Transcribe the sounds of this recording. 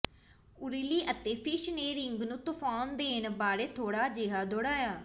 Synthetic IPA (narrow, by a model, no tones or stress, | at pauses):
ʊɾiliːʔət̪eːpʰɪʃneːɾɪŋɡnũːt̪ʊfaːnd̪eːnbaːɽeːt̪ʰoːɽaːd͡ʒeːɦaːd̪oːɽaːjaː